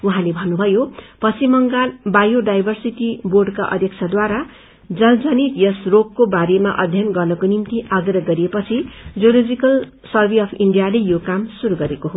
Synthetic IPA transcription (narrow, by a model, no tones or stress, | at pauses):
uɦãlebʱʌnːubʱʌjopʌsimʌŋɡanbajoɖajbʱʌrsiʈiborɖkaʔʌ̰d̪ʱjʌk̚t͡sʰad̪waɾa | d͡zʌld͡zʌnit̪jʌsrokkːobaɾema̰ʔʌd̪ʱjʌnɡʌrnʌkonimt̪iʔaɡrʌɡʌɾiepʌt͡sʰid͡zolod͡zikʌl | sʌrbʱiʌpʰiɳɖijalejokamsuɾuɡʌɾekoɦo